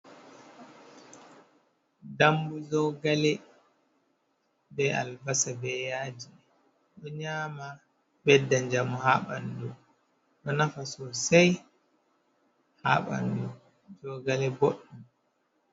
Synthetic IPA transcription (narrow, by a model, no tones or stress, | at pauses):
dambuzɔɡalɛ | bɛa̰lbasabɛjaːd͡ʒi | ɗɔɲaːma | bɛdːaɲd͡ʒamɔhaːɓa̰ndu | ɗɔnafasɔsaj | haːɓa̰ndu | zɔɡalɛboɗːum